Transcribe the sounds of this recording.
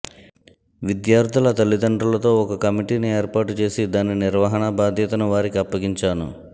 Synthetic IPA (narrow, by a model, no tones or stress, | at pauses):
ʋid̪jaːɾd̪ʱulɐt̪ɐlːid̪ɐɳɖɾɐlɐt̪o̞ːɔkɐkɐmiʈiːnieːɾpaːʈut͡ʃe̞ːsid̪aːniniɾʋɐɦɐnɐbaːd̪ʱjɐt̪ɐnuʋaːɾikiɐpːɐɡiɲt͡ʃaːnṵ